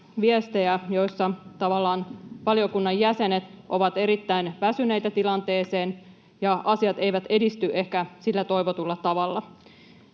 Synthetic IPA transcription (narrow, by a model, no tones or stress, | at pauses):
ʋiest̪ejæjo̞jsːɑt̪ɑʋɑlːɑːnʋɑliokunːɑjːæse̞ne̞t̪ʔo̞ʋɑt̪e̞ɾit̪ːæinʋæsyne̞jt̪æt̪ilɑnt̪e̞ːse̞ːn | jɑʔɑsiɑt̪ejʋæt̪e̞dist̪yʔe̞hkæsilːæt̪o̞jʋot̪ulːɑt̪ɑʋɑlːɑ